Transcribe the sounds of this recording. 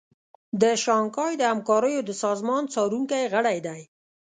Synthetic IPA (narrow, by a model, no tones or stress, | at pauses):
d̪əʃɑŋkɑjd̪əhamkɑɾəjod̪əsɑzmɑnt͡sɑɾuŋkajɣəɽajd̪aj